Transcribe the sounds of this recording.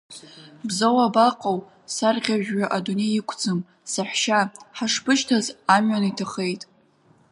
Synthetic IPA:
bzawabaqʼaw | sarʁʲaʒᶣɥaʔadune̞jikʷʰd͡zɨm | saħʷᶣʃaħaʂpʰɨʃtʰazamɥanitʰaχe̞jtʼ

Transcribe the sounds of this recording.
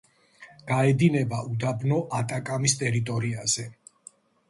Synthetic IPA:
ɡ̥aɛd̪inɛbaʔud̪abnɔʔat̪ʼakʼamist̪ʼɛɾit̪ʼɔɾiaz̥ɛ

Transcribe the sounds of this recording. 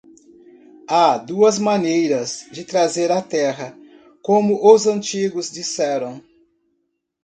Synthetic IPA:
ad̪uɐzmɐ̃nejɾɐzd͡ʒɪt̪ɾazeɾɐt̪ɛɦɐ | kõmʊʔʊzɐ̃nt͡ʃiɡʊzd͡ʒisɛɾɐ̃w̃

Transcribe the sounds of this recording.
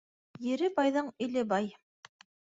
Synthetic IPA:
jɘ̆ɾɘbɑjðɤɴɵ̆lɘbɑj

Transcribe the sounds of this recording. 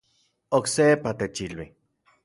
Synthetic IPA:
oksepat̪et͡ʃilwi

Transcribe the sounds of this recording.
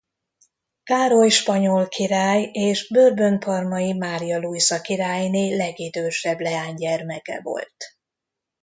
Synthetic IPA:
kaːɾo̞jʃpɒɲolkʰiɾaːjeːʒbørbø̞nfɒrmɒjimaːɾijɒlujsɒkiɾaːjneːlɛɡid̪øːʃɛblɛaːɲɟɛrmɛkɛ̰vo̞̰lt̪

